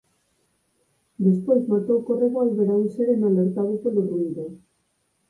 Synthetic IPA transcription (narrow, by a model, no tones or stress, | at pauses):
d̪espojzmat̪owkoreɣoalβeɾaunseɾenaleɾt̪aβekelorund̪o